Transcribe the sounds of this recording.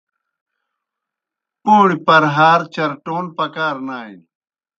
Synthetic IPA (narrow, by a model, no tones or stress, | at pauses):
poːɽipɐɾɦaːɾt͡ɕɐɾʈoːnpɐkaːɾnaːḭn